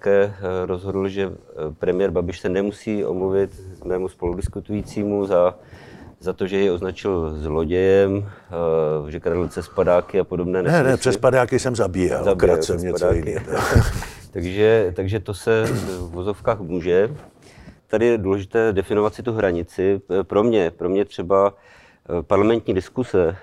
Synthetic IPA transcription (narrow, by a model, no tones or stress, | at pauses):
kɛːɾo̞zɦo̞dl̩ʒɛpɾɛmɪjɛːɾbabɪʃsɛnɛmusiːʔo̰mluvɪt̪mɛːmuspo̞ludɪskut̪ujiːt͡siːmuza | zat̪o̞ʒɛjɛo̞znat͡ʃɪlzlo̞ɟɛjɛm | ʒɛkɾadl̩pt͡sɛspadaːkɪapo̞dobnɛːnɛnɛnɛsɛspadaːkɪsɛmzabiːja̰lzabɾasɛmɲɛpadaːɪkɪɛt̪ | t̪aɡʒɛt̪aɡʒɛt̪o̞sɛuvozo̞fkaːxmuːʒɛ | t̪adɪjɛduːlɛʒɪt̪ɛːdɛfɪno̞vat̪sɪt̪uɦɾaɲɪt͡sɪpɾo̞mɲɛpɾo̞mɲɛt̪r̝̥ɛba | paɾlamɛnt̪ɲiːdɪskusɛ